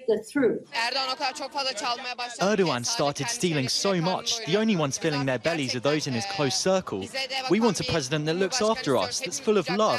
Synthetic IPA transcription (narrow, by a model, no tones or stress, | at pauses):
ðəθʰɹʉˑθnkt͡ʃfʌðət͡ʃʰaɪɜːɾəãnstɑˑtɪd̥stiːlɪ̃ŋsəʊmʌt͡ʃðiə̃ʊ̃nliwʌ̃nz̥fɪlɪ̃ŋðəbɛlizəðəʊzɪ̃nɪz̥kʰl̥əʊsɜˑkʰə̰lˠwiwɒ̃ntʰəpʰɹ̥ɛzɪdə̃nðəʔˡlʊksɑˑftəɹʌ̰sðətsfʊləvlʌv̥